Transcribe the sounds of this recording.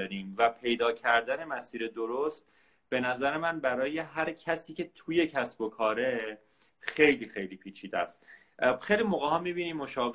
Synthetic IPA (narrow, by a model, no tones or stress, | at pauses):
ɒɾiːmvæpʰe̞jd̪ɒːcʰæɾd̪æne̞mæsiːɾe̞d̪oɾost̪̚ | b̥e̞næzæɾe̞mænbæɾɒːje̞ɦæɾcʰæsiːcʰe̞t̪ʰuje̞cʰæsbo̞kʰɒːɾe̞ | xe̞jliːxe̞jliːpʰiːt͡ʃʰiːd̪æst̪ | xejlimoːɣeɦɒːmibiːniːmmːoʃɒːb